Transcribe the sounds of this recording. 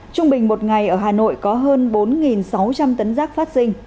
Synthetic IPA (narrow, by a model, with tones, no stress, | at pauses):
t͡ɕʊ˧ŋ͡mɓï˩ŋ̟mo˨˩t̚ŋa˨˩jʔəː˧˩ɦaː˨˩no̰˧˨jkɔ˨˦ɦəː˧nɓo˨˦nŋi˨˩nsa˨˦wt͡ɕa˧mt̪ə˨˦nzaː˦˥k̚faː˦˥t̚sï˧ŋ̟